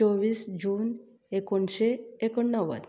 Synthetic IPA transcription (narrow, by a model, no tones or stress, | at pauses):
ɔʋiːsd͡ʑuːn | ekoɳɕeekɔɳːəʋə̰t̪